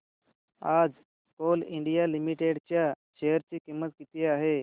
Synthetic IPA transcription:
ad͡z | koliɳɖijalimiʈeɽt͡ɕja | ɕejəɾt͡ɕikimːət̪kit̪iaɦe

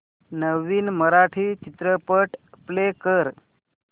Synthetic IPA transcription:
nəʋiːnməɾaʈʰit͡ʃit̪ɾəpəʈplekəɾ

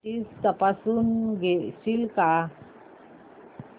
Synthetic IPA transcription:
ist̪apasunɡeʔsilka

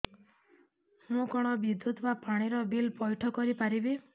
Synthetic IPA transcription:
mũkɔɽ̃ɔbid̪ʱut̪bapaɽ̃iɾɔbilpɔjʈʰɔkɔɾipaɾibi

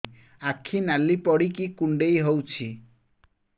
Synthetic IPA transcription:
akʰinalipɔɽikikuɳɖejɦowt͡ʃʰi

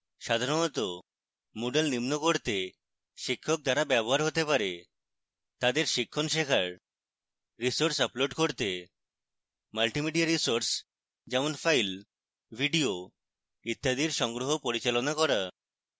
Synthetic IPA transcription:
ʃad̪ʱaɾonɔt̪o | moɖelnimnokoɾt̪e | ʃikʰːok̚d̪aɾabɛboɦaɾɦot̪epaɾe | t̪ad̪eɾʃikʰːonʃekʰaɾ | ɾisoɾsaploɖkoɾt̪e | malʈimiɖiaɾisoɾs | d͡ʒɛmonfʰajl | bʱiɖio | it̪ːad̪iɾʃɔŋɡɾoɦopoɾit͡ɕalonakɔɾa

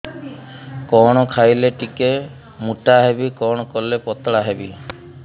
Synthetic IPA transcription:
kɔɽ̃ɔkʰajleʈike | muʈaɦebikɔɽ̃ɔkɔlepɔt̪ɭaɦebi

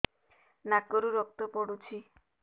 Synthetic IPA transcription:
nakoɾuɾɔk̚t̪opoɽut͡ɕʰi

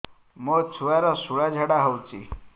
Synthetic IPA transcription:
mət͡sʰuɭaɾasuɭjad͡ʑʱaɽaɦawt͡sḭ

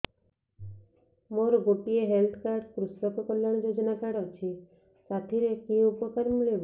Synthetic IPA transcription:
moɾɔɡoʈieɦelt̪ʰkaɾɖkɾusɾɔkɔkɔljaɽ̃ɔd͡ʒod͡ʒɔnakaɽɔt͡ʃʰi | sat̪ʰiɾekiupɔkaɾmiɭib

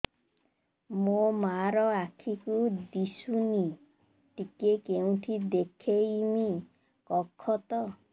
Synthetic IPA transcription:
momaɾɔakʰikud̪isuni | ʈikekeũʈ̪ʰid̪ekʰejmi | kɔkʰːɔt̪ɔ

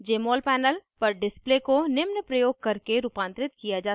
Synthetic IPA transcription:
d͡ʒeːmoːlpɛːnəlpɐɾɖɪspleːkonɪmnəpɾɐjoːɡ̚kɐɾkeɾuːpãːnt̪ɾɪt̪kijad͡ʒaː

